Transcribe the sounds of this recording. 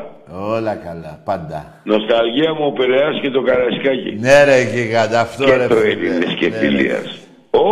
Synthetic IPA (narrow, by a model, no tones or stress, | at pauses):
olɐkɐlɐpɐnd̪ɐ | nost̪ɐlʝiɐmuopeleɐscet̪okɐlɐskɐcḭneɾecikɐd̪ɐft̪oeɾetoevinːescefḭlḭɐ̰s | o